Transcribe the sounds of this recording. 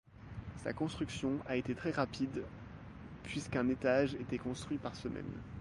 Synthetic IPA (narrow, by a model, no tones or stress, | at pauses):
sa̰kɔ̃st̪χyksjɔ̃aet̪et̪χɛʁapʰid̪ | pʰɥiskɛ̃net̪aʒet̪ɛkɔ̃st̪χɥipaʁsəmɛ̰n